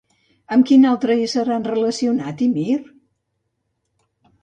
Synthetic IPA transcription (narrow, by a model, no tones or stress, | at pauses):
əmkinalˠt̪ɾəisəɾanrələsiunat̪imir